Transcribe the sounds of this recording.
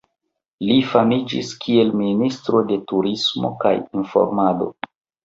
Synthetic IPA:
lifamid͡ʒḭskʰie̞lministɾo̞de̞tuɾismo̞̰ka̰jinfo̰ɾmado̞̰

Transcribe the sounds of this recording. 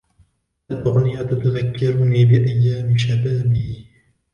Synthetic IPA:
alʔʊɣnɪjat̪at̪aðakːɑɾʊniːbɪʔajːaːmɪʃabaːmɪhɪ

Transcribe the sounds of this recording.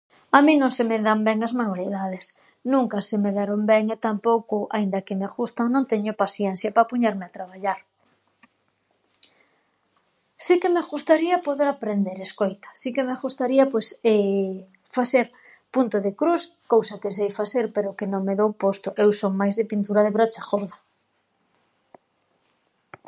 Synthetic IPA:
amĩnõŋsemeðambɛŋazmanwaliðað̞es | nũŋkasemeðaɾombɛŋet̪ampowkʊaind̪ɐkemeɣust̪anõŋt̪eɲopasjɛn̟θjapapuɲeɾmeat̪ɾaβ̞aʎaɾ | sikemeɣust̪aɾiapoðeɾapɾend̪eɾeskojt̪ḁsikemeɣust̪aɾiapojse | faθeɾ | punt̪oðekɾus | kowsakes̬ejfaθeɾpeɾokenõŋmeðowpost̪ʊʔewsoŋmajzðepint̪uɾaðeβɾot͡ʃaxoɾða

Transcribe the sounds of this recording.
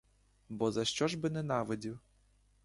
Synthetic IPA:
bɔzɐʃt͡ʃɔʒbɪnɛnɑʋɪdʲiw

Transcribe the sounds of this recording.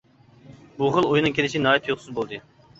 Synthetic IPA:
buχəlˠojnɨŋkʰʲelɪʃinɑːjɛt̪ʰjoqsuzbolˠd̪ɨ

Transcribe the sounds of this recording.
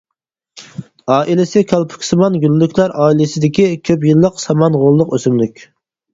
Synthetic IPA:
ɑːʔilɪsɪkʲʰɑlˠpʰʊ̥kʲsɨmɑnɡʲylːykʲʰlæɾɑːilɪsɪd̪ɪkʲikʲʰøpjɨlˠːəqsɑmɑnʁolˠːʊqøsymlykʲ

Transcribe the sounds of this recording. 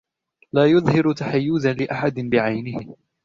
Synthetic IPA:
laːjʊðˤhɪɾʊt̪aħajːuːzalɪʔaħad̪ɪnbɪʕajnɪhɪ

